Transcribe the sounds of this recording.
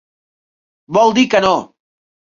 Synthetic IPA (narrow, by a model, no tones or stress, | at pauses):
bɔlˠd̪ikəno